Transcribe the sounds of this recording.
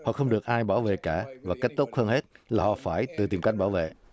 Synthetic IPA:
hɔ̰˧˨xə˧wŋ͡mɗɨ˨˩ək̚ʔaː˧jɓaː˧˩wvḛ˧˨kaː˧˩vaː˨˩ka˦˥k̟̚t̪o˦˥t̚həː˧nhe˦˥t̚laː˨˩hɔ̰˨faː˧˩jt̪ɨ˨˩t̪i˨˩mka˦˥jk̚ɓaː˧˩wvḛ˧˨

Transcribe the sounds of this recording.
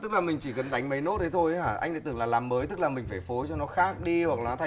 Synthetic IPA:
t̪ɨ˦˥k̚laː˨˩mï˨˩ŋ̟t͡ɕi˧˩kə˨˩nɗa˨˦jŋ̟mə˨˦jno˦˥t̚t̪ə˨˦jt̪ʰo˧jaː˧˩ʔa̰˧jŋ̟ɗa̰˧˥t̪ɨ˨˩ŋlaː˨˩laː˨˩mːəː˨˦jt̪ɨ˦˥k̚laː˨˩mï˨˩ŋ̟faː˧˩fo˨˦jt͡ɕɔ˧nɔ˨˦xaː˦˥k̚ɗi˧hwk̚laː˨˩nɔ˨˦t̪ʰ

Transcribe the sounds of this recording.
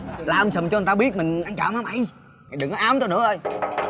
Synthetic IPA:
laː˨˩ʔsə˨˩t͡ɕɔ˧˨˩t̪a˧ɓi˦˥ət̚mï˨˩ŋ̟ʔa˧ŋt͡ɕa̰ː˧˨˩mha˧˩mʔa˧˩j | a˨˩jɗɨ˨˩nɔ˨˧ʔaː˨˦mt̪o˧nɨ̰˧˥əʔəː˧j

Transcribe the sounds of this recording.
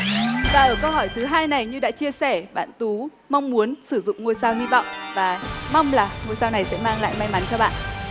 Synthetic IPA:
vaː˨˩ʔəː˧˩kə˧whɔː˧˩jt̪ʰɨ˨˦ɦaː˧jna˨˩jɲɨ˧ɗa̰ː˧˥t͡ɕi˧əsɛ˧˩ɓa̰ː˧˨nt̪u˨˦ | ma˧wŋ͡mmu˨˦ənsɨ˧˩zʊ̰˧˨ŋ͡mŋo˧jsaː˧whi˧vɔ̰˧˨wŋ͡mvaː˨˩ma˧wŋ͡mlaː˨˩ŋo˧jsaː˧wna˨˩jsɛ̰˧˥maː˧ŋla̰ː˧˨jma˧jma˨˦nt͡ɕɔ˧ɓa̰ː˧˨n

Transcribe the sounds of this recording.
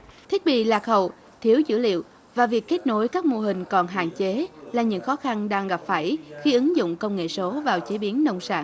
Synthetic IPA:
t̪ʰi˦˥t̚ɓḭ˧˨laː˨˩k̚xə˨˩w | t̪ʰi˨˦əwzɨ̰˧˥lḭ˧˨əw | vaː˨˩vi˨˩əkːe˦˥t̚no˨˧˩jkaː˦˥k̚mo˧ɦï˨˩ŋ̟kɔ˨˩nɦa̰ː˧˨ŋt͡ɕe˨˦laː˨˩ɲɨ̰˧˥ŋxɔ˨˦xa˧nɗaː˧ŋɣa˨˩p̚faː˧˩jxi˧ʔɨ˨˦ŋzʊ̰˧˨ŋ͡mkə˧wŋ͡mŋḛ˧˨so˨˦vaː˨˩wt͡ɕe˨˦ɓi˨˦ənːə˧wŋ͡msa̰ː˧˩ŋ

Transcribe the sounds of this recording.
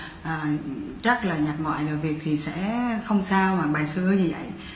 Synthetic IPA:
ʔəː˨˩t͡ɕə˦˥t̚laː˨˩ɲa˨˩t̚mɔ̰˧˨jlə̰˨˩jvi˨˩ək̚t̪ʰi˨˩sɛ̰˧˥xə˧wŋ͡msaː˧wmaː˨˩ɓaː˨˩jsɨ˧əɲɨ˧və̰˧˨j

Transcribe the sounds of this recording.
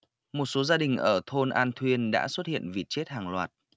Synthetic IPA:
mo˨˩t̚so˨˦zaː˧ɗï˨˩ŋ̟ʔəː˧˩t̪ʰo˧nʔaː˧nt̪ʰwi˧ənɗa̰ː˧˥swə˦˥t̚hḭ˧˨ənvi˨˩t̚t͡ɕe˦˥t̚haː˨˩ŋlwaː˨˩t̚

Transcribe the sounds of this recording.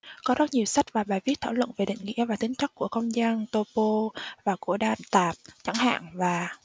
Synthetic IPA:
kɔ˨˦zɔ˦˥t̚ɲi˨˩əwsa˦˥jk̚vaː˨˩ɓaː˨˩jvi˦˥ət̪ʰaː˧˩wə̰˧˨nve˨˩ɗḭ˧˨ŋ̟ŋḭ˧˥əvaː˨˩t̪ï˨˦ŋ̟t͡ɕa˦˥k̚ku˧˩əxə˧wŋ͡mzaː˧nt̪o˧po˧vaː˨˩ku˧˩əɗaː˨˩nt̪aː˨˩p̚t͡ɕa˧˩ŋha̰ː˧˨ŋvaː˨˩

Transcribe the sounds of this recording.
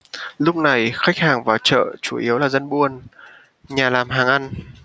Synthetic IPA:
lʊ˦˥k͡p̚na˨˩jxa˦˥k̚haː˨˩ŋvaː˨˩wt͡ɕə̰ː˧˨t͡ɕu˧˩ʔi˨˦əwlaː˨˩zə˧nɓu˧ən | ɲaː˨˩laː˨˩mɦaː˨˩ŋʔa˧n

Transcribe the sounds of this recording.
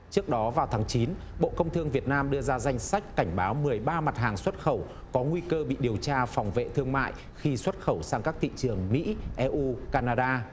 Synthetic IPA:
t͡ɕɨ˦˥ək̚ɗɔ˨˦vaː˨˩wt̪ʰaː˨˦ŋt͡ɕi˨˦n | ɓo̰˧˨kə˧wŋ͡mt̪ʰɨ˧əŋvi˨˩ət̚naː˧mɗɨ˧əzaː˧za˧jŋ̟sa˦˥jk̟̚ka˧˩ŋ̟ɓaː˨˦wmɨ˨˩əjɓaː˧ma˨˩t̚haː˨˩ŋswə˦˥t̚xə˧˩w | kɔ˨˦ŋwi˧kəː˧ɓḭ˧˨ɗi˨˩əwt͡ɕaː˧fa˨˩wŋ͡mvḛ˧˨t̪ʰɨ˧əŋma̰ː˧˨j | xi˧swə˦˥t̚xə˧˩wsaː˧ŋkaː˦˥k̚t̪ʰḭ˧˨t͡ɕɨ˨˩əŋmḭ˧˥ʔɛ˧ʔu˧kaː˧naː˧ɗaː˧

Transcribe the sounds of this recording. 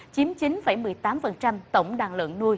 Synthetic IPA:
t͡ɕi˨˦mt͡ɕi˨˦nfa˧˩jmɨ˨˩əjt̪aː˨˦mfə˨˩nt͡ɕa˧mt̪ə˧˩wŋ͡mɗaː˨˩ŋlwə̰˧˨nːu˧əj

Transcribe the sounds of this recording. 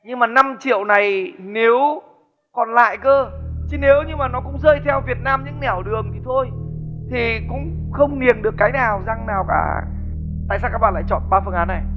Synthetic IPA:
ɲɨ˧ŋmaː˨˩na˧mt͡ɕḭ˧˨əwna˨˩jne˨˦w | kɔ˨˩nla̰ː˧˨jkəː˧t͡ɕi˨˦ne˨˦wɲɨ˧maː˨˩nɔ˨˦kʊ̰˧˥ŋ͡mzəː˧jt̪ʰɛ˧wvi˨˩ət̚naː˧mɲɨ̰˧˥ŋnɛ˧˩wɗɨ˨˩əŋt̪ʰi˨˩t̪ʰo˧jt̪ʰi˨˩kʊ̰˧˥ŋ͡m | xə˧wŋ͡mni˨˩ənɗɨ˨˩əkːaː˨˦jnaː˨˩wza˧ŋnaː˨˩wka̰ː˧˩ | t̪a̰ː˧˨jaː˧kaː˦˥ɓa̰ː˧˨la̰ː˧˨jt͡ɕɔ̰˧˨nɓaː˧fə˧nʔaː˨˦nːa˨˩j

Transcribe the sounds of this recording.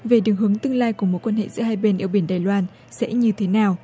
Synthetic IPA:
ve˨˩ɗɨ˨˩əŋɦɨ˨˦əŋt̪ɨ˧əŋlaː˧jku˧˩əmo˨˦t̚kwa˧nhḛ˧˨zɨ̰˧˥əɦaː˧jɓe˧nʔi˧əwɓi˧˩ənɗaː˨˩jlwaː˧n | sɛ̰˧˥ɲɨ˧t̪ʰe˨˦naː˨˩w

